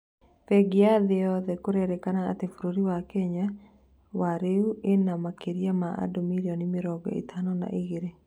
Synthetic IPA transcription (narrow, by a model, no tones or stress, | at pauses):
fɛɡɪaðɪɔðɛkoɾɛɾɛkana̰ːt̪efuɾoɾiwakɛɲa | waɾeuɪnamakeɾjamaa̰domiɾjɔnɪmɪɾɔɡɔ̰ḭt̪ʰanɔna̰ʔiɣeɾe